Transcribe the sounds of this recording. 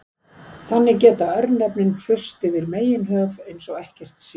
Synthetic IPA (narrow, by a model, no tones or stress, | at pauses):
θanːɪcɛːt̪aœɾt̪nɛpnɪnfʏst̪ɪvɪɾmeːjɪnɦœːvejnsɔɣɛhcɛr̥t̪s